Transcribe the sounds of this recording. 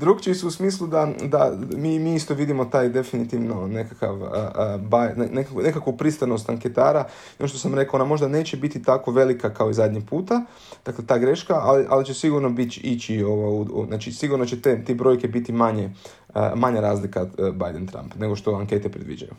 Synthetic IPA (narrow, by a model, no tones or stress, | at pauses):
d̪ɾuɡt͡ʃisuusmiːs̬lˠud̪ad̪amimiːist̪o̞ʋid̪imo̞t̪aːjd̪e̞finit̪iʋnone̞kaka̰ʋəbajnenekakune̞kakʋupɾist̪ano̞st̪aŋke̞t̪aːɾa | enoʃt̪osamɾe̞kaonamo̞ʒd̪ane̞ːt͡ɕebit̪it̪ako̞ʋe̞likakao̞izad̪ʲɲiɡpuːt̪a | d̪̥akle̞t̪aːɡɾe̞ʃkaʔaliʔalit͡ʃe̞siɡuɾno̞bit̪it͡ʃioʋoṵznaːt͡ʃisiɡuɾno̞t͡ʃet̪et̪ebɾo̞jke̞bit̪imaɲe | ə̰maɲaɾaːzlikabajd̪ent̪ɾa̰mpne̞ɡo̞ʃt̪o̞aŋke̞t̪epɾed̪ʋḭd͡ʒa̰jṵ